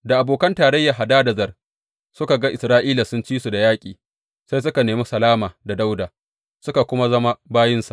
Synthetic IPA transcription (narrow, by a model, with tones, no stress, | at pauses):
da˨ʔa˨boː˨kɐ˦ntaː˨ɾɐ˦jːa˨ɦa˨daː˦dɐ˨zɐ˨r | sʊ˦ka˨ɡa˦ʔɪ˨sɾaː˦ʔiː˦la˨sʊ˦nt͡ʃiː˦su˨da˨jaː˦kʲʼḭː˨ | sa˦js̬ʊ˦ka˨neː˨muː˦sɐ˨laː˦maː˨da˨da˦wdaː˨ | sʊ˦ka˨kʷʊ˦ma˦zɐ˦ma˦baː˦jɪ˦nsa˨ʔ